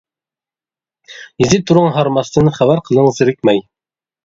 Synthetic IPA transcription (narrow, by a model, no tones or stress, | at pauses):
jizɪt̪ʰːuɾʊŋɦɑɾmɑst̪ɨnχæbæɾqʰəlˠəɴəzɨɾɪk̚ʲmɛj